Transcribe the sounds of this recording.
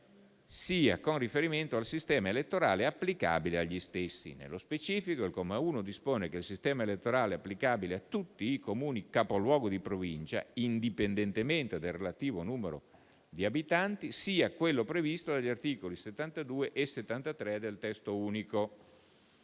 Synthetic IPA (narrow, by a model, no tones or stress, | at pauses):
siːa̰konrifeɾiment̪oalsist̪ɛːmaelet̪ːoɾaːleapːlika̰ːbileaʎːist̪esːḭnḛlːospet͡ʃiːfikoilkomauːnod̪ispoːnekelsist̪ɛːmaelet̪ːoɾaːleapːlikaːbileat̪ːut̪ːiːkomuːnikapolwɔːɡod̪ipɾovint͡ʃa̰ind̪ipend̪ent̪ement̪ed̪elrːelat̪iːvonuːmeɾo̰ | d̪iabit̪ant̪isiːakwelːopɾevist̪od̪aʎːart̪iːkoliset̪ːant̪ad̪uːeʔeset̪ːant̪at̪ɾɛd̪elt̪ɛst̪ouːniko